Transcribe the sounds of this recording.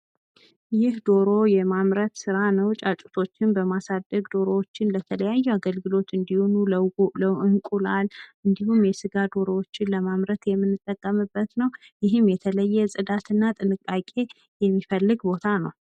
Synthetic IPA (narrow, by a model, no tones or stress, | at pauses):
jɪhd̪o̞ɾo̞jɛmamɾət̪sɨɾanəwt͡ʃʼat͡ʃʼu̥t̪ʰo̞t͡ʃːɪnbəmasad̪ːəɡd̪o̞ɾo̞wot͡ʃːɪnlət̪ʰələjajːuaɡəlɡɨlo̞t̪ɨnd̪ihunuləwləʔɨŋkʼulalʔɨnd̪ihumjɛsɨɡad̪o̞ɾowot͡ʃːɪnləmamɾət̪jɛmːɨnːɨt̪ʼːəkʼːəmɨbːət̪nəwjɪɦɨmjɛt̪ʰələjːɛsʼɨd̪at̪ʰɨnːat̪ʼɨnɨkʼakʼe̞ | jɛmːifəlːɨɡbo̞t̪ʰanəw